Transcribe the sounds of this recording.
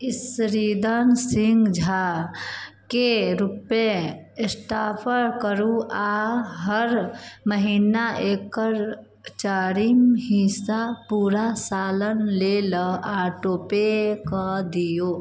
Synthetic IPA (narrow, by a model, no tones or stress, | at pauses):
ɪsɾid̪ansɪŋɡd͡ʒʱa | keɾupe | sʈaːpʰəɾkəɾuaɦəɾməɦiːnaeːkːəɾ | t͡ʃaːɾimɦĩsapuːɾasaːlənleləaːʈoːpekəd̪ijoː